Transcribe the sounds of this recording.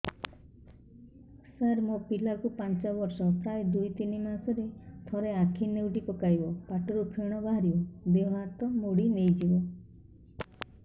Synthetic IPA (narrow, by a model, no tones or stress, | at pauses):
saɾmopilakupant͡ʃɔbɔɾsɔpɾajd̪ujt̪inimasɔɾet̪ʰɔɾeakʰinewʈipɔkajbɔpaʈɔɾupʰeɽ̃ɔbaɦaɾiɔbeɦaɾt̪ɔmoɽinejd͡ʒibɔ